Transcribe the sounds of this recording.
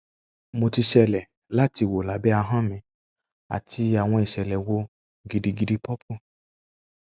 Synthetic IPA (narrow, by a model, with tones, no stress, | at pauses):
mo˨ti˧ʃɛ˧lɛ˨ | la˦ti˧˨wo˨la˨bɛ˦a˧ɦã˦mɛ̃˨ | a̰˨ti˧a˨w̃ɔ̃˧i˨ʃɛ˨lɛ˨wo˧ | ɡi˨di˧ɡi˧di˧pɔ˦pʰu˦˨